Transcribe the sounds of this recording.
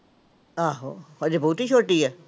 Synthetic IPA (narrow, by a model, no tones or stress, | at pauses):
aːɦoəd͡ʒebɔːt̪iːt͡ʃʰoːʈiːɛː